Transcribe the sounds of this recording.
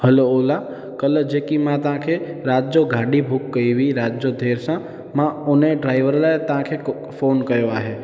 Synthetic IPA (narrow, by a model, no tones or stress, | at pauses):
həloola | kələd͡ʒekimãt̪ãkʰeɾad͡ʒoɡʱaɖibʱukːəiʋiɾad͡ʒjod̪ʱeɾsã | mãoneɖɾaiʋəɾlaet̪ãkʰe | fonkəjoaɦe